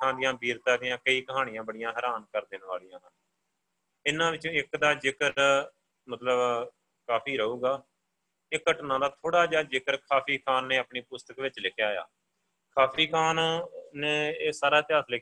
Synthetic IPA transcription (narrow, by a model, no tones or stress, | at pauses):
ãːd̪ɪjãːbiːɾt̪ãːd̪ɪjãːkəiːkəɦaːɽ̃ɪjãːbəɽɪjãːɦəːɾaːnkəɾd̪ɪːnʋaːlɪjãːɦə | ɪnãːʋɪt͡ʃõːɪkd̪aːd͡ʒɪkəɾ | mət̪ləb | kaːpʰiːɾəɦuːɡaː | ekːəʈnãːd̪aːt̪ʰoːɽaːd͡ʒaːd͡ʒɪkəɾkʰaːpʰiːkʰaːnːẽːapɳiːpʊst̪əkʋɪt͡ʃlɪkʰjaːja̰ː | kʰaːpʰiːkʰaːnnẽːsaːɾaːt̪ɪaːslɪk